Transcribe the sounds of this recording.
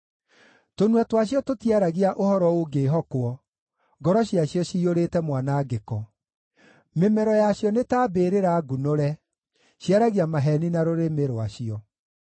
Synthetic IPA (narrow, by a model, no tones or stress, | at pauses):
tonuwɛtwaɕ̬iɔtotjaɾaɣiaʔohɔɾɔoɡeːɦɔkwɔ | ɡɔɾɔɕiaɕjɔɕiːoɾetɛmwanaɡekɔ | memɛɾɔjaɕjɔnetaːbeːɾeɾaɡunoɾɛ | ɕjaɾaɣiamaɦɛninaɾoɾemeɾoaɕiɔ